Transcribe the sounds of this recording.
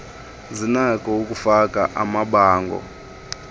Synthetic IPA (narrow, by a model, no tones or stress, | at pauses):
zinakʼɔokʼufakʼaʔamaɓaːŋɡʱɔ̰